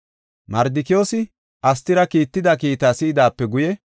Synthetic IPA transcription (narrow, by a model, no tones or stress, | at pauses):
mɐɾd̪ɪkɪjo̞ːsɪ | ʔɐst̪ɪɾɐkiːt̪ːɪd̪ɐkiːt̪aːsiːd̪aːpːɛɡʊjɛ